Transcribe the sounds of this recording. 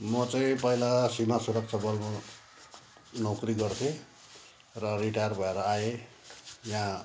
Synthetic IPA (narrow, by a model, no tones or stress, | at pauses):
mʌt͡sʌĩpʌilasimasuɾʌk̚t͡sʰabʌlmo | nʌwkriɡʌrt̪ʰe | rʌriʈajrbʱʌeɾʌaje | jã